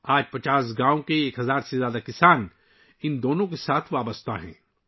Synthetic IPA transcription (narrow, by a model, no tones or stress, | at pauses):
aːd͡ʒpɐt͡ʃaːs̬ɡãːõkeeːkɦɐzaːɾsezjaːd̪akɪsaːn | ɪnd̪oːnõkesaːt̪ʰʋaːbəst̪ʰa̰ɦɛ̰̃ː